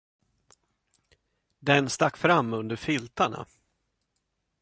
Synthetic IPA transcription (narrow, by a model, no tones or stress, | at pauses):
d̪ɛnst̪akːfɾamːɵnd̪əɾfɪlt̪aɳa̰